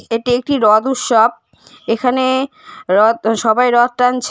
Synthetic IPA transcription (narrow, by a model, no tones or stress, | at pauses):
eʈiek̚ʈiɾɔd̪uʃob̚ | ekʰane | ɾɔʃɔbajɾɔd̪̚ʈant͡ɕʰ